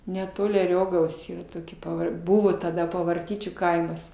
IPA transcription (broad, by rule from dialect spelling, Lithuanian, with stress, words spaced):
nʲɛˈtoːlʲɪ ɐˈrʲoːɡɐlˠoːs iːˈrɐ toːˈkʲiɛ pɐˈʋɐr ˈbuːʋoː tɐˈdɐ pɐʋɐrʲˈtʲiːt͡ʃʲuː ˈkɐɪmɐs